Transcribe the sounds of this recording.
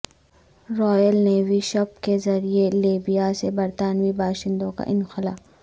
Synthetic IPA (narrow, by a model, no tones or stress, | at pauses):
ɾɔːjəlneːʋiʃɐp̚kezɐɾieliːbijasebɐɾt̪aːnwibaːʃɪ̃nd̪õka̰ʔɪ̃nxɪlaː